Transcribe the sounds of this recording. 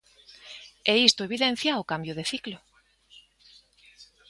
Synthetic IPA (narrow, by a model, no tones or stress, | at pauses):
ɛist̪ʊeβ̞iðen̟θjaokambjʊðeθiklʊ